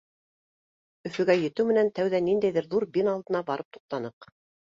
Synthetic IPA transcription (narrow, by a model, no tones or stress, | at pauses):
ɵ̆fɵ̆ɡæjɘ̆t̪ɘwmɘ̆nænt̪æwðænind̪æjðɘɾðuɾbinɑlˠd̪ɤ̆nɑbɑɾɤp̚t̪u̥q̚t̪ɑnɤq